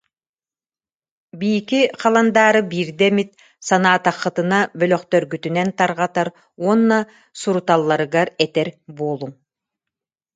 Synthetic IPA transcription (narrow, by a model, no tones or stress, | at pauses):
bijikiqʰɑlˠand̪aːɾɯbiːɾd̪ɛmit̪̚ | sanaːt̪aχːɯt̪ɯnabœlœqt̪œɾɡyt̪ynɛnt̪aɾʁat̪aɾ | uɔnːa | suɾut̪alˠːaɾɯɡaɾɛt̪ɛɾboːlˠuŋ